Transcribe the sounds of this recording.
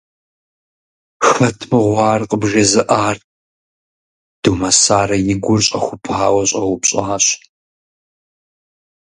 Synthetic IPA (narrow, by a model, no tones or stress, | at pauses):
xɐtʰmɨʁʷɑːrqʼəbʒɐzɨʔaːr | d̥umɐsaːrɐjɪɡʷʊrɕʼɐxʷʊpʰaːwɐɕʼɐwʊpɕʼaːɕ